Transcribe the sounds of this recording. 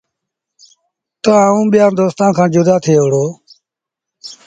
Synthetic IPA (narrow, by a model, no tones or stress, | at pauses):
t̪əːũːɓɪjãːd̪oːst̪ãːnkʰãːd͡ʒʊd̪aːt̪ʰeːʋɽoː